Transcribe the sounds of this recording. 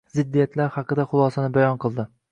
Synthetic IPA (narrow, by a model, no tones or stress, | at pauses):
zɪd̪ːijat̪ʰlaɾhɑqɨd̪aχʊlˠɒsanɪbajɒnqʰɨlˠd̪ɪ